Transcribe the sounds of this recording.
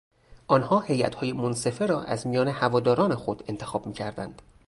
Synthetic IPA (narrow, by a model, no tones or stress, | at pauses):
ʔɒːnhɒːhe̞jæ̰t̪hɒːje̞monse̞feɾɒːʔæ̰zmijɒːne̞hævɒːd̪ɒːɾɒːne̞xo̞d̪e̞nt̪ʰe̞xɒːb̥miːcʰæɾd̪æ̰nd̪̥